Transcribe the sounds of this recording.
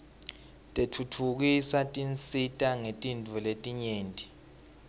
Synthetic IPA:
tʼetʰutʰuk̬isatʼint͡sʼitʼaŋetʼindʱuletʼiɲeːntʼi

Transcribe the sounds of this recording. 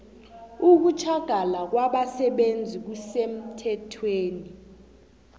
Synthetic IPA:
uk̬ut͡ʃʰaɡ̥ʱalak̬waɓasɛɓend͡zʱik̬usem̩tʰɛtʰweːni

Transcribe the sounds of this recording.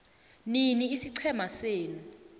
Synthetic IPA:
niniisiǀʰɛmaseːnu

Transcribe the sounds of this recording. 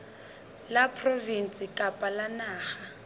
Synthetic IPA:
lapʰrovin̩sʼɪkʼapʼalanaːχa

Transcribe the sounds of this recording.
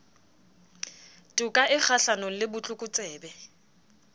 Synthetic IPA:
tʼukʼaʔɪk͡xʰaɬanɔlɪbʊt͡ɬʼʊkʼʊt͡sʼɛːbɛ

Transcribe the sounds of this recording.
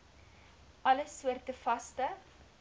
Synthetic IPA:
ʔɐləsuərtəfɐstə

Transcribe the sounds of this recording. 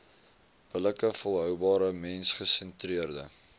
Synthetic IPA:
b̥ələkəfolˠɦœwbɑːɾəmɛnsχəsɛntriərdə

